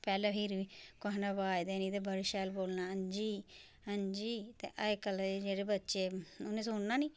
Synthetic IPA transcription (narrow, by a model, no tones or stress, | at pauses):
pɛːleːpʰiːɾʋiːkoɦnaːbaːjd̪eːnĩːt̪eːbəɾʃɛːlboːlnaːənd͡ʒiː | ənd͡ʒiːt̪ḛːʔəekəld͡ʒeːɽeːbətːʃeːʊnẽːsʊːɳnaːniː